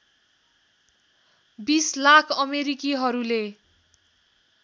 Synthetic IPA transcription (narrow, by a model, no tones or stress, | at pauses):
bislakʰʌmeɾikiɦʌɾule